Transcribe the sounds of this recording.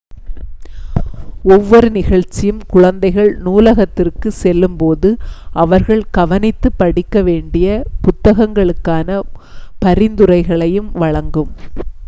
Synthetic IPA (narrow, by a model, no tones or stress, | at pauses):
ɔʋːɔɾɯnɪɣɐɭt͡ʃːɪjɯmkʊɻɐnd̪ɐɪɣɐɭnuːlɐɣɐt̪ːɪrkɯsɛlːɯmpoːðɯʔɐʋɐɾɣɐɭkɐʋɐnɪt̪ːɯpːɐɽɪkːɐʋeːɳɖɪjɐpʊt̪ːɐɣɐŋɡɐɭɯkːaːnɐ | pɐɾɪnd̪ɯɾɐɪɣɐɭɐjɯmʋɐɻɐŋɡɯm